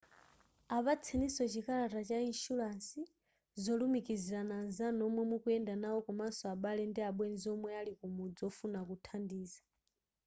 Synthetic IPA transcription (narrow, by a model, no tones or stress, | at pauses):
aβat͡sʰɛnisɔt͡ʃikalatat͡ʃainʃulasi | zɔlumikiziɾananzanɔmwɛmukuɛndanaɔkɔmasɔaɓalɛndiaɓwɛnziɔmwɛalikumud͡zɔfunakutʰandiːza